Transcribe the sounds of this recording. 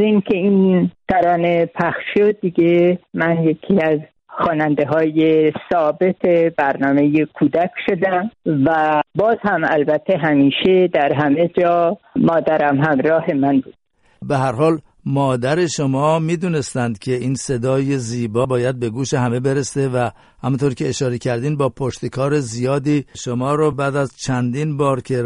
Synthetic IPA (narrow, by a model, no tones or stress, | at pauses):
ziŋkʰeinsʰæɾɒːnepʰæxʃod̪iɡemænjekʰiæz | xɒːnænd̪eɦɒːjesɒːbe̞t̪ʰebæɾnɒːme̞jekʰuːd̪ækʰʃod̪æmvæbɒːzhæmælbæt̪ʰːeɦæmiːʃed̪æɾɦæme̞d͡ʒɒːmɒːd̪æɾæmɦæmɾɒːhe̞mænbuːd̪̥ | beɦæɾhɒːl | mɒːd̪æɾe̞ʃo̞mɒːmiːd̪uːne̞st̪ænd̪̥cʲʰe̞iːnse̞d̪ɒːje̞ziːbɒːbɒːjæd̪̚be̞ɡuːʃe̞ɦæme̞be̞ɾese̞væ | hæmunt̪oɾcʰe̞eʃɒːɾecʰæɾd̪iːnbɒːpʰoʃt̪ekʰɒːɾe̞zijɒːd̪iːʃomɒːɾobæːd̪æzt͡ʃʰænd̪iːnbɒːɾcʰe̞